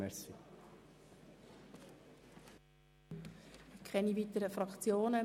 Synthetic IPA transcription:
ɛsi | ɪkʰɛniviːt̪əɾəfɾɑkt͡sjoːnə

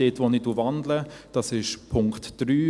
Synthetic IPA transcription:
etʋoniduːvandləd̥ɑsɪʃpʰʊŋktd̥ɾyː

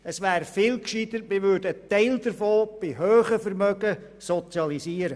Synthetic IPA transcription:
əsʋæːɾfɪːlkʃid̪ətmɪʋʏːɾdət̪ɛɪld̪əɾfoːb̥ɪɦøːχəfəɾmœɡə | sɔt͡sjɑlisiːəɾə

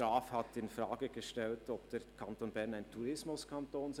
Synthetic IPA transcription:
aːfhatɪnfʁaːɡəɡəʃtɛltɔp̚d̥eːɐkʰantoːnbɛɐnaɪntʰuɾɪsmʊskʰantʰoːns

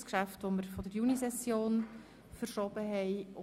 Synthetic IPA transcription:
skʃæftʋoməɾfɔdəɾjunisɛsjoːn | fəɾʃɔb̥əɦɛɪʊ

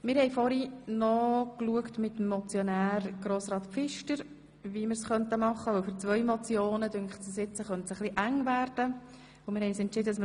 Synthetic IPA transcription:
mɪɾhɛɪfɔɾinɔkluəktmɪt̪ːm̩ːɔt͡sjɔnæːɾɡ̥ɾoːsɾɑːt̪pfɪʃtəɾ | ʋiməɾsχœntəmɑχːəʊlfʏɾt͡svœʏmɔt͡sjoːnəd̥ʏŋkχtsəsɪt͡sːəχœntsəχliʔæŋvæːɾd̥ə | ʊmɪɾhɛɪsɛntt͡ʃɪd̪ədsm

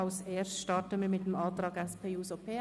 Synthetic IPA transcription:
aʊseːɾsʃtɑtəməmɪtəmɑːtɾɑːɡɛspʰeːuːsopʰeː

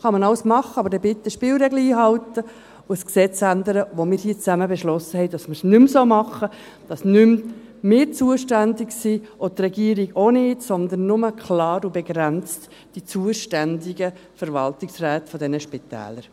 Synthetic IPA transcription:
χɑmɑnɑləsmɑχəɑbəɾdɛbɪt̪ːəʃpɪːlɾɛɡləiːɦɑlt̪ə | ʊəsksɛt͡sænd̪əɾəʋomɪːɾhiːt͡sæməbɛʃlɔsəhɛɪdɑsməɾsnʏmsoːmɑχə | d̥ɑsnʏm | mɪːt͡suəʃtænd̪ɪksiʔot̪rɛɡiːɾiɡonɪːtsɔnd̪ənːʊməkʰχlɑːɾubɛɡɾænt͡st | d̥it͡suːəʃtændiɡə | fəɾʋɑ̰ltɪksræːt̪fɔd̪ɛnəʃpitæ̰ːləɾ

